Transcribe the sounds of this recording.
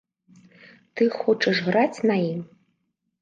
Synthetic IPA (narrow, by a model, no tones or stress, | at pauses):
t̪ɨxɔt͡ʂɐʂɣɾat͡sʲnajim